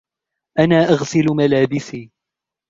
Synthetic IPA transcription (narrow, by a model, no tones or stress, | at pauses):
ʔanaːʔaɣsɪlmalaːbɪsiː